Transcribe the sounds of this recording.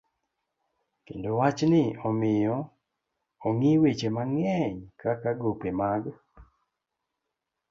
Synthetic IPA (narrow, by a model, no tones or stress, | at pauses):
kendowat͡ʃnɪɔmɪjɔ | oŋiwet͡ʃemaŋɛɲkakaɡopemaɡ